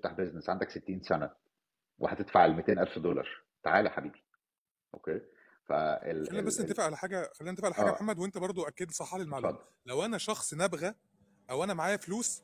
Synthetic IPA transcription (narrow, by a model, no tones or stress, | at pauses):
t̪aħbeznesʕand̪ækset̪ːiːnsænæ | wʔḛħæ̰t̪et̪faʕelmet̪eːnʔælfd̪olɑ̰ɾˤ | t̪a̰ʕaːlæħabiːbi̥ | ʔo̰keː | fæ̰eæliːnæbæsːnt̪efeʔʕælħaːɡæxæliːnænt̪efeʔʕleħaɡæħamːæd̪went̪æbɑɾˤd̪ˤoʔækːed̪sˤɑħːɑlielmaʕldm | læwʔænæʃɑxsˤnæbɣæ | ʔæwʔænæmaʕaːjæfluːs